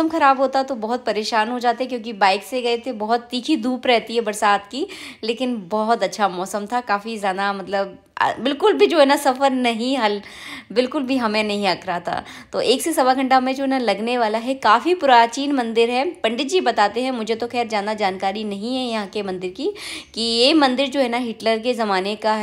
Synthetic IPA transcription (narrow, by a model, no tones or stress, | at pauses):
əmxɐɾaːbɦoːt̪aɦɛt̪obɐɦʊt̪̚pɐɾeːʃaːnɦod͡ʒaːt̪eɦɛ̃k̬jõːk̬ibaːɪkseɡɐet̪ʰebɐɦʊt̪ːiːkʰid̪uːpɾɛɦt̪iɦɛbɐɾsaːt̪kileːkɪnbɐɦʊt̪ɐtːʃʰamɔːsəmt̪ʰakaːfizjaːd̪amɐt̪ləb̰ | bɪlkʊlbʱid͡ʒoːɛnasɐfəɾnɐɦĩɦɐlbɪlkʊlbʱiɦɐmẽnɐɦĩɐkʰɾat̪ʰa̰ː | t̪oːʔeːksesɐbaɡʱɐ̃ɳʈamẽd͡ʒoːɦɛnalɐɡneʋaːlaɦɛkaːfipuɾat͡ʃiːnmɐ̃nd̪ɪɾɦɛpɐ̃ɳɖɪt̪̚d͡ʒiːbɐt̪aːt̪eɦɛ̃mʊd͡ʒʱet̪oxɛːɾd͡ʒaːnad͡ʒaːnkaːɾinɐɦĩɦɛjɐɦãkemɐ̃nd̪ɪɾkikijemɐ̃nd̪ɪɾd͡ʒoːɦɛːnaɦɪʈləɾkezɐmaːnekaɦ